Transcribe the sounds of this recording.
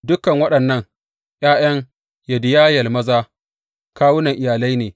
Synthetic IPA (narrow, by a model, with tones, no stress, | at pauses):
dʊ˦kɐ˨ŋwɐ˦ɗɐ˨nːɐ˦ŋ | ʔj̰aː˦j̰ɐ˦ŋ | ja˨dɪ˦jaː˦jɐ˨lmɐ˦zaː˦ | kaː˦wʊ˦nɐ˨ŋʔɪ˨jaː˨la˦jneː˨